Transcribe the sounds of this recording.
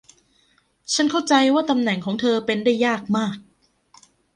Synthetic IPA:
t͡ɕʰa˦˥˩nkʰa˥˩wt͡ɕa˧jwaː˥˩t̪a˧mnɛ˨˩ŋkʰɔː˩˦ŋt̪ʰɤː˧pe˧ndaː˥˩jːaː˥˩k̚maː˥˩k̚

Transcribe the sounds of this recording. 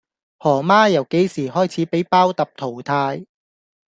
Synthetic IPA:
hɔː˨˩maː˥jɐ˨˩wke˨˥jsiː˨˩hɔː˥jt͡sʰiː˨˥pe˨˥jpaː˥wt̪ɐ˨p̚t̪ʰo˨˩wt̪ʰaː˧j

